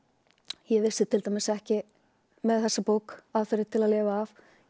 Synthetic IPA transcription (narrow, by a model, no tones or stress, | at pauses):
jɛvɪ̥sɪt̪ʰɪlt̪ajmɪsɛhcɪ | mɛðθɛsːapoːwkaːðfœɾɪt̪ʰɪlaðlɪːvaːf